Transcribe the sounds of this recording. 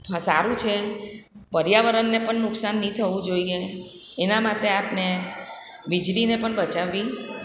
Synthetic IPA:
ɦãsaɾũt͡ʃʰe | pəɾjaʋəɾənːepəɳːʊksanːĩt̪ʰəʋũd͡ʒoieː | namat̪eapne | ʋid͡ʒɾinepəɳbət͡ʃaʋːi

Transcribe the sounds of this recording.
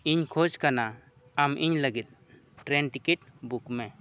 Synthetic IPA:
iɲkʰod͡ʒkana | amʔiɲləɡit̪̚ | ʈɾɛnʈikɛʈbukmɛ

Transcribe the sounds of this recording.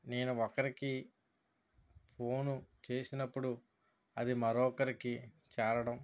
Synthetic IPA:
ne̞ːnuɔkɐɾiki | pʰo̞ːnut͡ʃe̞ːsinɐpːuɽu | ɐd̪imɐɾɔːkɐɾiki | t͡ʃɛːɾɐɽɐm

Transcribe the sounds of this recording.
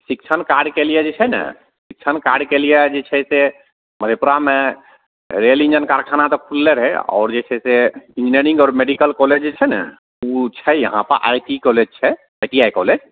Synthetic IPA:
sik̚t͡ʃʰənkaɾɖkelijɛd͡ʒet͡ʃʰɛnə̰ | sik̚t͡ʃʰənkaɾɖkelijɛd͡ʒet͡ʃʰɛse | məd̪ʱepuɾame | ɾelĩnd͡ʒənkaɾkʰanat̪ɔkʰulːeɾɦɛɔ̰ːɾd͡ʒet͡ʃʰɛseĩnd͡ʒineɾĩŋɡɔːɾmeɖikəlkɔled͡ʒet͡ʃʰɛnɛ̰ | ut͡ʃʰɛjəɦãpə̰ɾʔa̰jʈikɔled͡ʒt͡ʃʰɛ | ajʈiajkɔ̰led͡ʒ

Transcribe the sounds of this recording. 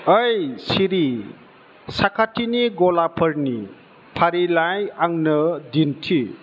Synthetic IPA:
əjsiɾi | sakʰatʰiniɡolapʰəɾni | pʰaɾilajaŋnʌdintʰi

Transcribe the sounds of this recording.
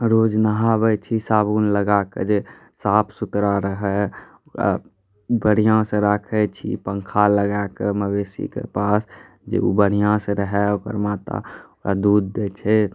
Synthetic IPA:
ɾoːd͡ʒnaɦabɛt͡ʃʰisaːbuːnləɡakḛd͡ʒe | saːpʰsʊt̪ɾaɾəɦɛ | oka̰ | bəɽ̤ijãsẽɾakʰɛt͡ʃʰḭpəŋkʰaləɡakeməbeːsḭkḛpaːs | d͡ʒḛṵbəɽ̤ijãsẽɾəɦɛokə̰ɾmaːt̪a̰okad̪uːd̪ːet͡ʃʰɛ

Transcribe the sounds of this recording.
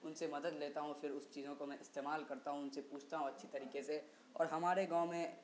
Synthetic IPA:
ʊnsemɐd̪əd̪leːt̪aɦũfʰɪɾʊst͡ʃiːzõkomɛ̃ʔɪst̪eːmaːlkɐɾt̪aɦũʊnsepuːt͡ʃʰt̪aɦũɐtːʃʰit̪ɐɾiːkese | ɔ̰ːɾɦɐmaːɾeɡãʊmẽ

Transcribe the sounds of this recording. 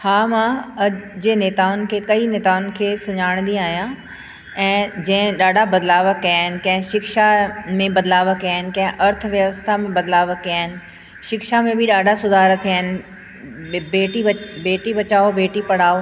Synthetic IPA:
haːmãɐd͡ʑeːneːt̪aːʊnɪ̆kʰeːkɐineːt̪aːʊnɪ̆kʰeːsɐ̃ɲaːɽ̃nd̪ĩaːɦijã | ɛ̃ːd͡ʑɐ̃ɦɪ̃ɗaːɖʱabɐd̪laːʋəkːjaːɦɪnɪ̆kɐ̃ɦɪ̃ʃɪkʃamẽbɐd̪laːʋəkijaːɦɪnɪ̆kɐ̃ɦɪ̃ʔɐɾt̪ʰəʋjəʋəst̪ʰamẽbɐd̪laːʋəkːiaːɦɪnɪ̆ | ʃɪkʃamẽbʱiɗaːɖ̤ʱasʊd̪ʱaːɾət̪ʰiaːɦɪnɪ̆ | eːʈiɐbeːʈibɐt͡ɕaːobeːʈipɐɽ̤aːo

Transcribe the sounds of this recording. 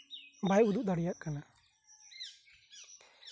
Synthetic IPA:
bajud̪uʔ̚d̪aɽijaʔkana

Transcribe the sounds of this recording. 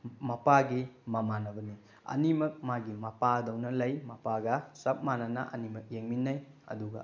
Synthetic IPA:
mɐpaɡimɐmanɐbɐni | ɐ̰nimɐk̚maɡimɐpadɐwnɐlɐjmɐpaɡɐsɐp̚manɐnɐ̰ʔɐ̰nimɐk̚jeŋminːɐjɐ̰duɡɐ̰

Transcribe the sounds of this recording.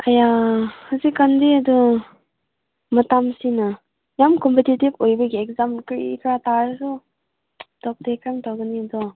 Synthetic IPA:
ajahazikːandiɐdu | mɐtamsina | jamkɔmpetitibojbɐɡiɛk̚zamkɾḭkʰɾataɾsu | tɔk̚tekamtawɡɐniɐdɔ

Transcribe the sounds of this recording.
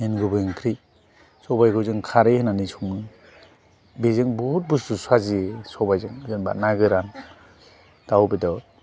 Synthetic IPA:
henɡubɯŋkʰɾi | sɔbajɡɯwzɯŋkʰaɾehɯnanisumɯ | bezɯŋbɔhut̚bususwaziesɔbajzɯŋzɯnba̰naɡɯɾan | d̥awbidɔ

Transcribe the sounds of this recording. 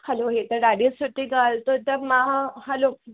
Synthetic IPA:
həloɦet̪əɾɾaɽesuʈiɡʱalt̪ot̪amahalo

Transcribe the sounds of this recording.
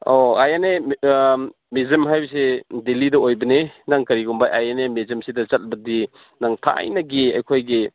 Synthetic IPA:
oajane | mezemɦajbɐsedelidɐojbɐnenaŋkɐɾiɡumbajajanemezemsidɐt͡ʃat̚bɐdi | naŋtʰa̰jnɐɡia̰jkʰojɡi

